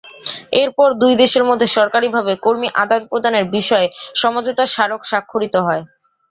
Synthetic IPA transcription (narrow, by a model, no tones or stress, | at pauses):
eɾpɔɾd̪ujd̪eʃeɾmod̪ʱːeʃɔɾkaɾibʱabekoɾmiʔad̪anpɾod̪ʱaneɾbiʃɔeʃɔmad͡ʑot̪aʃaɾokʃakʰːoɾit̪oɦɔe